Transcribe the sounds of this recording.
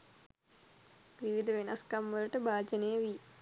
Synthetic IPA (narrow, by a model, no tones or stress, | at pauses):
ʋiʋid̪ʱɐʋenɐskɐmːɐluʈəbaːd͡ʒɐnejəʋi